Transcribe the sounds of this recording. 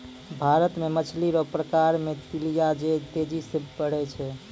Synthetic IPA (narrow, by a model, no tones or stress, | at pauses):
bʱaɾət̪memət͡ʃʰliɾɔpɾəkaɾmet̪ilijad͡ʒet̪ed͡ʒisəbpəɽ̤ɛt͡ʃʰɛ